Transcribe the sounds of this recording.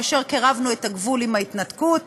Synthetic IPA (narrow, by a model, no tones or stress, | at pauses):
aʃe̞ʁkeʁavnue̞taɡvulimait̪natkut̚